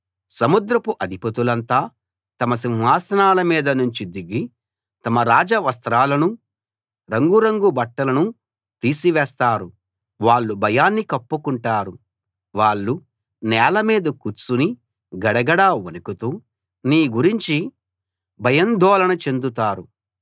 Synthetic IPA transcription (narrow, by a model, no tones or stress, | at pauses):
sɐmud̪ɾɐpuʔɐd̪ʱipɐt̪ulɐnt̪aː | t̪ɐmɐs̬inɦaːsɐnaːlɐmiːd̪ɐnuɲt͡ʃid̪iɡi | t̪ɐmɐɾaːd͡ʒɐʋɐst̪ɾaːlɐnu | ɾɐŋɡuɾɐŋɡubɐʈːɐlɐnu | t̪iːsiʋɛːst̪aːɾu | ʋaːɭːubʱɐjaːnːikɐpːukuɳʈaːɾu | ʋaːɭːu | nɛːlɐmiːd̪ɐkut͡suni | ɡɐɽɐɡɐɽaːonukut̪uː | niːɡuɾiɲt͡ʃi | bʱɐjɐnd̪ʱɔːlɐnɐt͡ʃe̞nd̪ut̪aːɾu